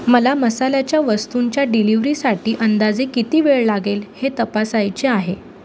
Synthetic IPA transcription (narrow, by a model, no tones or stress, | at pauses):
məlaməsalat͡ɕjaʋəst̪uɲt͡ɕjaɖiliʋɾiːsaʈiːʔənd̪ad͡zekit̪iːʋeɭlaɡelhet̪əpasajt͡ɕeaɦe